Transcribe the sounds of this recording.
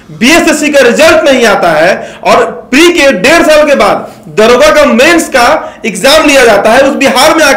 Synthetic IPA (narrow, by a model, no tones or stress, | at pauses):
biesesikaɾɪzəlʈnɐɦĩaːt̪aɦɛɔːɾpɾikeɖeːɾsaːlkebaːd̪ | d̪əɾoːɡakameːnskaɪkzaːmlijad͡ʒaːt̪aɦɛʊsbiɦaːɾmẽa